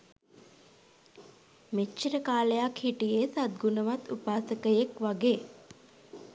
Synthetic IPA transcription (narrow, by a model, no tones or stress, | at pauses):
met͡ʃt͡ʃːiɾəkaːləjakhiʈijesad̪̚ɡunəʋat̪upaːsəkəjekʋaɡeː